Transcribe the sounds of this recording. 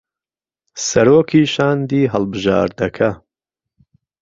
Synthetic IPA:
sɐɾoːkʰiːʃaːnd̪iːɦɐlˠbɨʒa̰ːɾd̪ɐkʰɐ

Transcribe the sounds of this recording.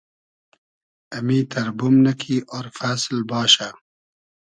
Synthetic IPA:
ɐmiːt̪ʰɐɾbumnɐkʰiːʔoɾfaːslbaːʃa

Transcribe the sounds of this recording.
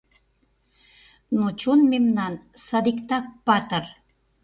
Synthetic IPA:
not͡ɕonmemnɑnsɑd̪ikt̪ɑk̚pɑt̪ər

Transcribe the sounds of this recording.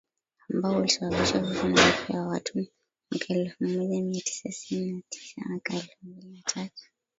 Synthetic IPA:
ambaɔulisaɓaɓiʃakufunaafujawatʰu | makʰaɛlfumamilamiatʰi̥sassininatʰi̥sa̰makaɛlfumbilinatʰatu̥

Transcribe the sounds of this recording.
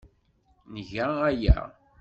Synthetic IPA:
nəʝææjæ̰

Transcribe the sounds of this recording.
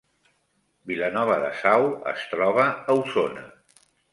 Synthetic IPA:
bilənɔβ̞əðə̰sawə̰st̪ɾɔβəːwsonə̰

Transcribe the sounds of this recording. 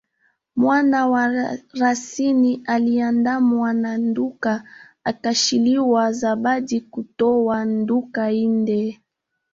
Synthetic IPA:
mwanawaɾasinialiandamwananduka | akaʃiliwazaɓadikutɔwandukaindɛ

